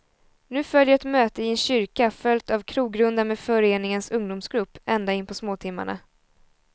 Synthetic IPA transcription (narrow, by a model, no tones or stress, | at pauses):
nʉ̟ːfœljəɛt̪møːt̪əɪɛnɕʏɾkafœlt̪avkʰɾuːɡɾɵnd̪ameːd̪fœɾeːnɪŋənsɵŋd̪ʊmsɡɾɵpːɛnd̪aɪnpʰɔsmoːt̪ʰɪmːa̰ɳa̰